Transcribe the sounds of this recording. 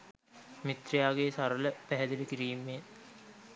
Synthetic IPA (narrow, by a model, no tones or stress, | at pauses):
mit̪rejaːɡeːsaɾələpæɦɛd̪iləkiɾiːmːeːn